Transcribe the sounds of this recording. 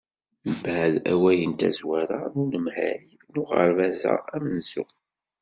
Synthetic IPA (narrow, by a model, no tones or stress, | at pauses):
əbæʕðæwæjənt̪æ̰zwæɾanʊnəmhæɾinʊʁə̰ɾvæzæ̰æmnzṵ